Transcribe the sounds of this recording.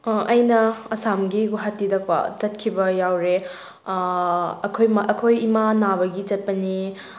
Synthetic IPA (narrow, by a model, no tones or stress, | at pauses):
ɐjnɐɐsamɡiɡuɦatːidɐkpa̰t͡ʃɐt̚kʰibɐjawɾe | ɐkʰojmaɐkʰojimanabɐɡit͡ʃɐt̚pɐni